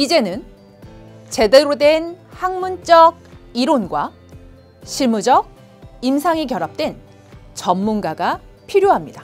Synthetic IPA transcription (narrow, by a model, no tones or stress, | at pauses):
id͡ʑe̞nɯn | t͡ɕe̞de̞ɾodwe̞nhaŋmunt͡ɕ͈ʌɡ̚iɾonɡwa | ɕʰiɭmud͡ʑʌɡ̚ | imsʰaŋikjʌɾap̚t͈we̞n | t͡ɕʌmːunɡaɡapʰiɾjoɦamɲida